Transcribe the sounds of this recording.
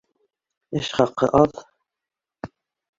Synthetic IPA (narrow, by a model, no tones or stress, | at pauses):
ɘʃχɑqːɤ̰ʔɑð